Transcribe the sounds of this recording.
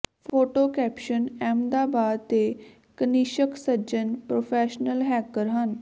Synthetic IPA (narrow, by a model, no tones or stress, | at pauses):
pʰoːʈoːkɛːpʃənɛ̃ːmd̪aːbaːd̪t̪eː | kəniːʃəksəd͡ʒənpɾoːpʰɛːʃnəlɦɛːkəɾɦən